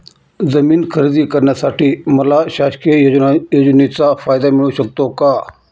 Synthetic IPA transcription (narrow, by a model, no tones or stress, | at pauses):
zəmiːnkʰəɾd̪iːkəɾɳjasaʈʰiːməlaɕakejojod͡ʑnit͡safajd̪amiɭuːɕək̚t̪oka